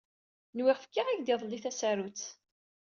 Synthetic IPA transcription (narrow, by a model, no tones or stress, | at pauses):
nwɪʁfə̥kːaʁæçd̪iðˤlːiθæsæɾut͡sː